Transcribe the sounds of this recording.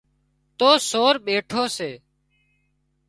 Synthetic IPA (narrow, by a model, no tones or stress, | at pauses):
t̪oːsoːɾɓeːʈʰoːseː